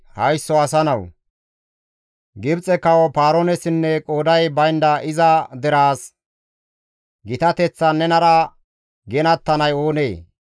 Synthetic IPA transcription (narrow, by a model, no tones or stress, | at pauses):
hɐjsːɔɐsɐnɐw | ɡɪbt͡sʼɛkɐwɔpaːɾonɛsɪnːɛkʼo̞ːd̪ɐjbɐjnd̪ɐʔɪzɐd̪ɛɾaːs | ɡɪt̪ɐt̪ɛt͡sːɐnɛnɐɾɐ | ɡɛnɐt̪ːɐnɐjo̞ːneː